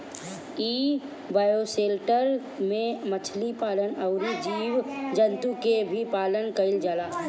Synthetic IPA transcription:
iː | baːjoseːlʈəɾ | mẽmət͡ʃʰlipaːlənɐʊnid͡ʒiːʋd͡ʒənt̪ukebʱipaːlənkəɪld͡ʒalaː

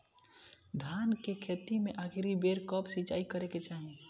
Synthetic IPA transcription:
d̪ʱaːnkekʰet̪imẽʔakʰɾibeɾkəpsit͡ʃa̰ːikəɾeket͡ʃaːɦi

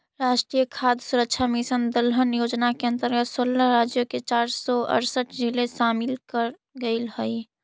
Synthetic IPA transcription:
ɾaːʃʈɾijəkʰaːd̪suɾək̚t͡ʃʰamisənd̪əlɦənjoːd͡ʒnakeə̃nt̪əɾɡət̪soːlːaɾaːd͡ʒjoket͡ʃaːɾsɔə̰ɾsəʈd͡ʒileʃaːmɪlkəɾ | ɡəɪlɦəi

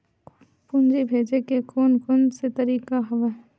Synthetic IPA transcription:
pund͡ʒibʱeːd͡ʒekekoːnkʊnset̪ɐɾiːkaɦɐʋe

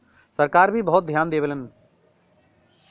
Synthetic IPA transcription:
səɾkaːɾbʱibəɦt̪̚d̪ʱjaːnd̪eːʋələn

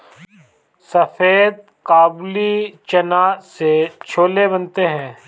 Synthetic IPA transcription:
sɐfeːd̪̚ | kaːblit͡ʃɐnaːset͡ʃʰoːlebənt̪eɦɛ̃ː

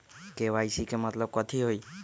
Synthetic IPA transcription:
keʋajsikemət̪ləb̚kɔt̪ʰiɦoi

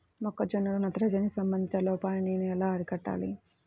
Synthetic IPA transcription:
mɔkːɐd͡ʒenːulunɐt̪ɐɾɐd͡ʒɐnisɐmbɐnd̪it͡ʃɐloːpaːjɐninuɛlaːɐɾikɐʈːa̰ːli

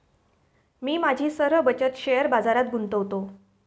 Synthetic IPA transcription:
miːmad͡ʑʱiːsəɾʋəbət͡ɕət̪ɕejəɾbad͡zaɾat̪ɡunt̪əʋt̪o

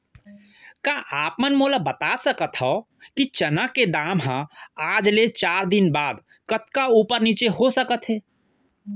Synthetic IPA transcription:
kaʔapmənmoləbət̪asəkət̪ʰɦə | kit͡ʃənaked̪amɦãad͡ʒlet͡ʃaɾd̪inbad̪ | kət̪kaupəɾnit͡ʃeɦosəkət̪ɦẽ

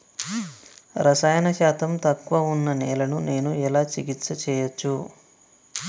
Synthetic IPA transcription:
ɾɐsaːjɐnɐʃaːt̪ɐmt̪ɐkːʋɐunːɐnɛːlɐnune̞ːnuɛlaːt͡ʃiɡit̪sɐt͡ʃɛːjɐt͡ʃːu

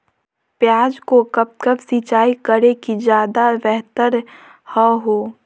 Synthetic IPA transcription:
pjaːd͡ʒkokəp̚t̪kəpsit͡ʃaːikəɾekid͡ʒjaːd̪abɛɦt̪əɾ | həɦoː

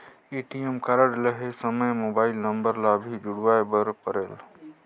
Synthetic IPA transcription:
eʈiemkaɾəɽləɦesəməjmobaːɪlnəmbəɾlabʱid͡ʒuɽʋajbəɾpəɾeːl

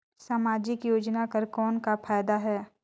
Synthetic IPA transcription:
saːmaːd͡ʒɪkjoːd͡ʒnakəɾkɔːnkapʰaːjd̪aɦɛː

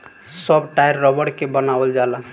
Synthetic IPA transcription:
səbʈajɾːəbəɽkebənabəld͡ʒalən

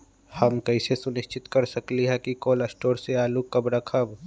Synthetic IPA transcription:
hɐmkɛɪsesʊnɪʃt͡ʃɪt̪kɐɾsɐkliɦɛkikoːlɐsʈoːɾseaːlukɐbɾakʰəb

